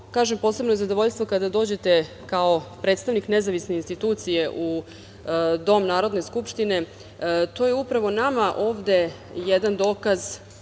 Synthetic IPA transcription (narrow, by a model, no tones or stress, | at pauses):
kaːʒempo̞ːsebnoezad̪oʋo̞ʎst̪ʋo̞kad̪ad̪o̞ːd͡ʑe̞t̪e̞ | kao̞pɾe̞ːt̪st̪aʋniknezaʋisne̞inst̪it̪uːt̪sijeʔu | d̪o̞mnaːɾo̞d̪ne̞skupʃt̪ine̞ | t̪o̞ːjeupɾaʋo̞namaʔo̞ːvd̪e̞ | jed̪and̪o̞ːkaz